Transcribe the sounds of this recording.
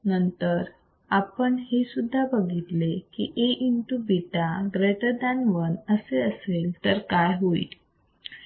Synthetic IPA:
nənt̪əɾ | apəɳɦesud̪ʱːabəɡʱit̪lekḭʔeʔint̪ubiʈaɡɾeʈ̪əd̪anʋənəseəselt̪əɾkajɦoḭ

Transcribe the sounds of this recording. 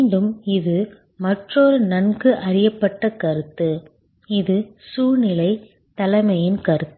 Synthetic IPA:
ɳɖɯmɪðɯ | mɐʈroːɾɯnɐnɡɯʔɐɾɪjɐpːɐʈːɐkɐɾɯt̪ːɯ | ɪðɯsuːnɪlɐɪ | t̪ɐlɐɪmɐjɪnkɐɾɯt̪ːɯ

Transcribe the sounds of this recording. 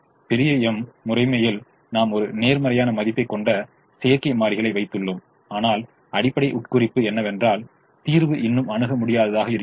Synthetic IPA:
pɛɾɪjɐɛmːʊrɐɪmɐjɪl | naːmɔɾɯneːɾmɐɾɐjaːnɐmɐðɪpːɐɪkːɔɳɖɐ | sejɐɾkɐɪmaːɾɪɣɐɭɐɪʋɐɪt̪ːɯɭːɯm | aːnaːl | ɐɽɪpːɐɽɐɪʔʊʈ̚kʊrɪpːɯɛnːɐʋɛndraːl | t̪iːɾʋɯʔɪnːɯmɐɳɯɣɐmʊɽɪjaːðɐðaːɣɐɪɾɯ

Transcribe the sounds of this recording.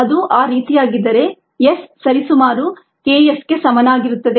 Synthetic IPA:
ɐd̪uʔaːɾiːt̪ijaːɡid̪ːɐɾe̞ | jesːɐɾisumaːɾu | keːjesɡe̞sɐmɐnaːɡiɾut̪ːɐd̪e

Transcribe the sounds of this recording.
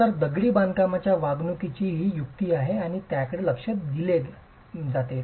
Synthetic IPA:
t̪əɾd̪əɡɽiːband̪kamat͡ɕjaʋaɡnukit͡ɕiːɦiːjuk̚t̪iːaɦeaɽ̃it̪jakəɽeləkʂət̪ɡ̪ile | d͡zat̪e

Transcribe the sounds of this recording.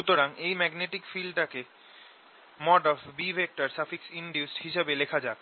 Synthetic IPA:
ʃut̪oɾaŋejmɛɡneʈikfilɖʈake | mɔɖɔfbibʱek̚ʈaɾsafiksiɳɖjusʈhiʃebelekʰad͡ʑae

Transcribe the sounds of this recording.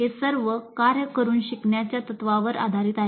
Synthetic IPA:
esəɾʋəkaɾjəkəɾuːnɕikɳjat͡ɕjat̪ət̪ʋaʋəɾa̰d̪ʱaɾiːt̪a

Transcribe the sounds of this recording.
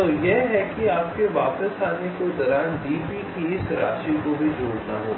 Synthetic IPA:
ojeɦɦɛkiaːp̚keʋaːpəsaːnekod̪ɔːɾaːnɖ̪iːpikiɪsɾa̰ːʃikobʱid͡ʒoːɽnaɦoː

